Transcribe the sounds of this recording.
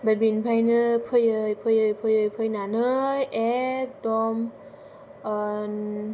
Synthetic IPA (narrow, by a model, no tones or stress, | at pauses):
bajbinpʰajnɯpʰɯjɯjpʰɯjɯjpʰɯjɯjpʰɯjnanɯjɛdɔm | n